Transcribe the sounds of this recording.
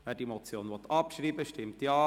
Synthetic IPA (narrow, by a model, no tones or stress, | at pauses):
ʋɛːɾdimɔt͡sjoːnʋɔt̪ɑpʃɾiːbəʃtɪmtjɑː